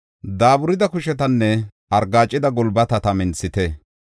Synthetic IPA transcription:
d̪aːbʊɾɪd̪ɐkʊʃɛt̪ɐnːɛ | ɐɾɡaːt͡ʃʼːɪd̪ɐɡɔlbɐt̪ɐt̪ɐmɪnsɪt̪ɛ

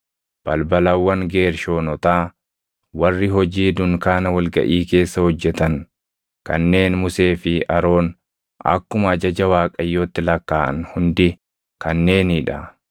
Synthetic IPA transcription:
b̥ɐlbɐlɐwːɐŋɡe̞ːɾʃo̞ːnɔt̪aː | wɐrːɪɦɔd͡ʒiːd̪ʊŋkaːnɐwɐlɡɐ̰ʔiːke̞ːsːɐhɔd͡ʒːɛt̪ɐŋ | kɐ̰nːe̞ːnmʊse̞ːfɪʔɐɾo̞ːn | ʔɐ̰kːʊmɐɐd͡ʒɐd͡ʒɐwaːkʼɐjːoːt̪ːɪlɐkːaːʔɐ̰nhʊnd̪ɪ | kɐnːe̞ːniᶑɐ

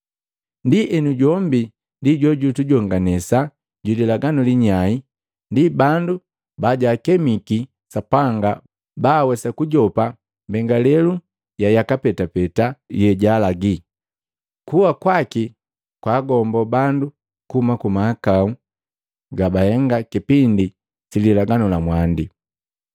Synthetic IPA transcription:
ndiʔɛnuɟɔmbi | ndiɟɔɟutuɟɔŋɡanɛsa | ɟulilaɡanuliɲai | ndibandu | baɟaːkɛmiki | sapaŋɡa | baːwɛsakuɟɔpa | mbɛŋɡalɛlu | jajakapɛtapɛtajɛɟalaɡi | kuwakwaki | kwaːɡɔmbɔbandu | kuumakumaakau | ɡabahɛŋɡakipindi | sililaɡanulamwandi

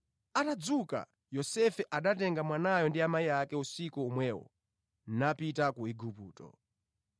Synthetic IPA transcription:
atad͡zuka̰ | jɔsɛfɛʔaɗatɛŋɡamwanajɔndiamaiakɛusikuːmwɛːwɔ̰ | napitakuiɡʱupṵːtɔ̰

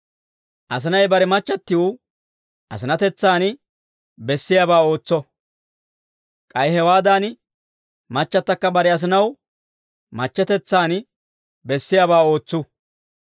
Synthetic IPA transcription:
ʔɐs̬ɪnɐjbɐɾɛmɐt͡ʃːɐt̪ːɪu | ʔɐ̰sɪnɐt̪ɛt͡sːaːn | bɛsːɪjaːbaːo̞ːt͡sːɔ | kʼɐjɦɛwaːd̪aːn | mɐt͡ʃːɐt̪ːɐkːɐbɐɾɛɐs̬ɪnɐw | mɐt͡ʃːɛt̪ɛt͡sːaːn | bɛsːɪjaːbaːo̞ːt͡sːʊ

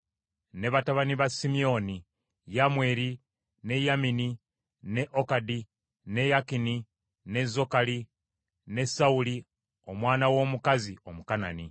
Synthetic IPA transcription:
ne̞βataβaniβasimio̞ni | jamwe̞ɾi | ne̞jamini | ne̞ʔokadi | ne̞jakini | ne̞zo̞kali | ne̞sauli | o̞mwaːnawo̞ːmukazio̞mukana̰ni

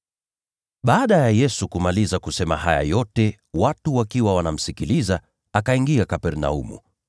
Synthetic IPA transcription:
ɓaːɗajajɛsukumalizakusɛma̰haja̰jɔtɛ | watuwakiwawanam̩sikiliza | akaiŋɡiakapɛɾna̰ṵmṵ

